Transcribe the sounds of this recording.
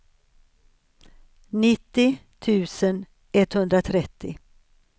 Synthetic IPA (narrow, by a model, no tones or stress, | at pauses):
nɪt̪ːɪt̪ʰʉ̟ːsən | ʔɛt̪hɵnd̪ɾat̪ʰɾɛt̪ːɪ̰